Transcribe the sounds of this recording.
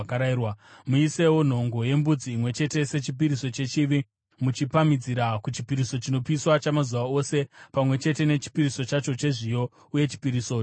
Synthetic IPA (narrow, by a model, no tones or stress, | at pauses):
kaɾaiwamuise̞wo̞n̤o̞ŋɡo̞je̞mbud͡ziːmwe̞t͡ʃe̞te̞se̞t͡ʃip̬iɾiso̞t͡ʃe̞t͡ʃiʋi | mut͡ʃipamid͡ziɾakut͡ʃipiɾiso̞t͡ʃino̞piswat͡ʃamazuʋao̞se̞pamwe̞t͡ʃe̞te̞ne̞t͡ʃi̥piriso̞t͡ʃat͡ʃo̞t͡ʃe̞ʐijo̞ | uje̞t͡ʃi̥piɾisoː